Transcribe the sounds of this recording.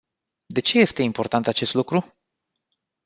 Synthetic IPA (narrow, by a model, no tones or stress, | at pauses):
d̪e̞t͡ʃe̞je̞st̪e̞impo̞ɾrt̪ant̪at͡ʃe̞st̪lukɾu